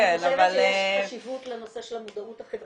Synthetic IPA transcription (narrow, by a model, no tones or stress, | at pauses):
enavalaʃivut̪lenoseʃelamud̪authaχev